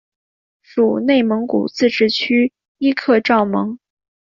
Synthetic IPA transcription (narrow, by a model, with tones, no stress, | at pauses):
ʂu˨˩ne˥˩ɪmɤ˧˥ŋkṵ˨˩t͡sɹ̩˥˧ʈ͡ʂɻ̩˥˩t͡ɕʰy˥ | i˥kʰɤ˥˧ʈ͡ʂɑ˥˩ʊmɤ˧˥ŋ